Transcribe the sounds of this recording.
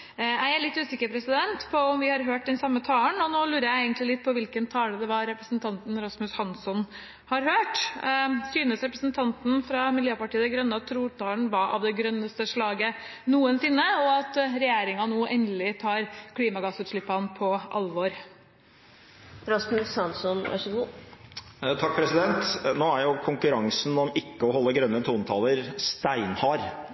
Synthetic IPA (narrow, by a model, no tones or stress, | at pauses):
jæɪæɭɪt̪ːʉːsɪkːəɾpʰɾɛsɪd̪ɛnt̪pʰɔɔmʋɪhɑɾɦøːʈ̚d̪ɛnsɑmːət̪ʰɑːləɳɔnoːlʉːɾəjæɪeɪɡənt̪lɪlɪt̪̚ːpʰɔʋɪlkənt̪ʰɑːləd̪ɛʋɑɾɾɛpɾəsnt̪ʰɑnt̪n̩ɾɑsmʉshɑnsɔn | hɑɾhøːʈ | syːnəsɾɛpɾəsnt̪ʰɑnt̪n̩fɾɑmɪljøːpɑʈiːəd̪ɛɡɾœnːəɑt̪ʰːɾuːʈ̪ʰɑːləɳ̩ʋɑʔɑ̰ʋd̪ɛɡɾœnːəst̪əʂɭɑːɡə | nuːənsɪnːəɔɑt̪ɾɛjeːɾɪŋɑnoːʔɛnd̪lɪt̪ʰɑːɾkʰliːmɑɡɑsʉːt̪ʂɭɪpːɑnːpʰɔʔɑ̰lʋɔɾ | ɾɑsmʉsɑnsɔnʋæ̰ʂəɡuː | t̪ʰɑk̚ːpʰɾɛsɪd̪ɛnt̪noːæɾjʊkʰʊŋkʉɾɑŋsn̩ɔmɪkːəɔɦɔlːəɡɾœnːət̪ʰuːnt̪ʰɑləɾst̪æɪnhɑːɾ